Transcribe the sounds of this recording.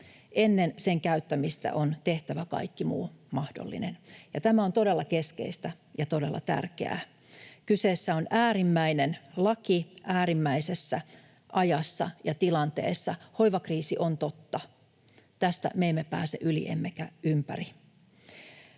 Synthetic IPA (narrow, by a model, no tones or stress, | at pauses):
ʔenːenseŋkæyt̪ːæmist̪æ̰ʔont̪e̞ht̪æʋækɑ̰ikːimṵːmɑhdo̰lːḭnenjɑt̪æmæo̞nt̪o̞delːɑke̞skḛist̪æ | jɑt̪o̞de̞lːɑ̰t̪æ̰rkḛæ̰ | kyseːsːæo̞nʔæːɾimːæinenlɑkiʔæːɾimːæisesːæ | ʔɑjɑsːɑ̰jɑt̪ilɑnt̪ḛːsːɑho̞iʋɑkriːsiʔont̪ot̪ːɑ | t̪æst̪æ̰meimːepæ̰ːseʔylḭʔḛmːekæʔympæri